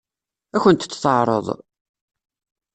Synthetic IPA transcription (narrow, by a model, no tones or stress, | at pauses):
æçənt̪t͡sːθˤɑʕɾˤə̰ðˤ